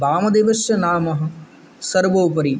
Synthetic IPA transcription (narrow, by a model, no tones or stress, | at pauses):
baːmɐd̪eːʋɐʃjɐnaːmɐɦɐ̆ | sɐɾʋoːp̬ɐɾi